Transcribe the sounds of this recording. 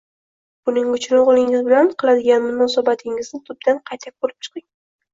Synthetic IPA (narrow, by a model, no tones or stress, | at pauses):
b̥ʊnɪŋʊt͡ʃʰnoʁlˠɪŋɪzbɪlanqʰɨlˠad̪ɪɡʲanmʊnɒːsabat̪ʰɪŋɪznɪt̪ʰʊb̚d̪anqʰɑjt̪ʰak̚ʲbolɪp̚t͡ʃʰɨ̥qɪŋ